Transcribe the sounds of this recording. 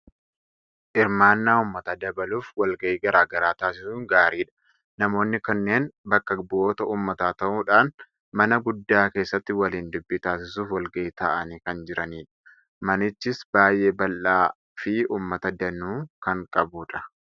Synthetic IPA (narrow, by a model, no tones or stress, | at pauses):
ʔɪɾmaːnːaːʊːmːɐt̪ɐd̪ɐbɐluːfwɐlɡɐʔiːɡɐɾaːɡɐɾaːt̪aːsɪsuːŋɡaːɾiːᶑɐ̥ | nɐmo̞ːnːɪkɐnːe̞ːnbɐkːɐbʔoːt̪ɐʔuːmːɐt̪aːt̪ɐʔuːᶑaːn | mɐnɐɡʊd̪ːaːke̞ːsːɐt̪ːɪwɐliːnd̪ʊbːit̪aːsɪsuːfwɐlɡɐʔɪt̪ɐʔɐniːkɐnd͡ʒɪɾɐniːᶑɐ̥ | mɐnɪt͡ʃːɪsbaːjʔe̞ːbɐlʔaː | fɪuːmːɐt̪ɐd̪ɐnuːkɐŋkʼɐbuːᶑɐ̥